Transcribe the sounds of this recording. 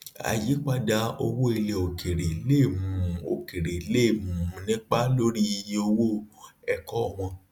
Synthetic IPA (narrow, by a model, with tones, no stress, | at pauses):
a̰˨ji˨˦k͡pa˧da˧o˧wo˦i˧le˨o˨kʰe˨ɾe˨˦le˦˨mũ˨˦˨o˨ke˨ɾe˨i˦le˦˨mũ˨ũ˧˦nĩ˦k͡pa˦lo˦ɾi˦i˧je˧˦o˧wo˦ɛ˧kɔ˦˨w̃ɔ̃˧